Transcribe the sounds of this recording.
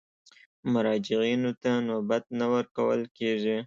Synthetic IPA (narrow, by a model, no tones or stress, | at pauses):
mʊɾɑd͡ʒɪɣinot̪anobat̪̚nawəɾkawə̰lkeʐi